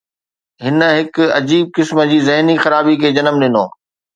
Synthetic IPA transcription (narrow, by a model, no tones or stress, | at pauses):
ɦɪnə̆ɦɪkɐ̰d͡ʑiːb̚kɪsmə̆d͡ʑiːzɐɦnixɐɾaːbikʰeːd͡ʑɐnəmɗɪnoː